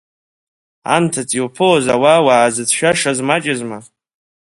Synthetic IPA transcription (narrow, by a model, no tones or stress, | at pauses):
a̰ntʰatʰʼiwpʰoozawawaːzɨt͡sʰʃᶣaʂazmat͡ʃʼɪzma